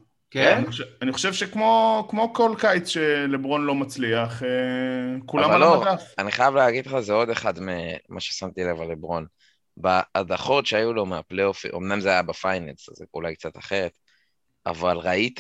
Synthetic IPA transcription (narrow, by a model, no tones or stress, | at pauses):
kanioaniχo̥ʃevʃekmo̞kmo̞kolkajt͡sʃelebʁo̞nlo̞mat͡sliaχekulaamvamalːoaafaniχajavleaɡid̪leχazeo̞d̪e̞χad̪memʔaʃesamt̪ielevalebʁo̞n | baːdaχo̞tʃeajulo̞meapleofḭʔo̞̰mnamzeajabefajnenszeṵlajk̚t͡sat̪aχe̞ʁet̪ | a̰valʁait̪